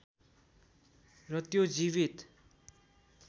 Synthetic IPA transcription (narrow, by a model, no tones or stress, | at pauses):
rʌt̪jod͡ziβit̪